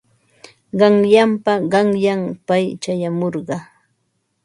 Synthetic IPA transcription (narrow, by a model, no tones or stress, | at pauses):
ɢɑŋjampaɢɑŋjampajt͡ʃajamoɾɢɑ